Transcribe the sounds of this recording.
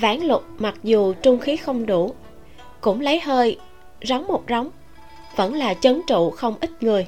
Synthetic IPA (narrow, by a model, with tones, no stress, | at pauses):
vaː˧˩nlʊ˨˩k͡p̚ma˨˩k̚zu˨˩t͡ɕʊ˧ŋ͡mxi˨˦xə˧wŋ͡mɗu˧˩ | kʊ̰˧˥ŋ͡mlə˨˦jɦəː˧j | za˨˦wŋ͡mːo˨˩t̚za˨˦wŋ͡m | və̰˧˥nlaː˨˩t͡ɕə˨˦ŋt͡ɕṵ˧˨xə˧wŋ͡mʔi˦˥t̚ŋɨ˨˩əj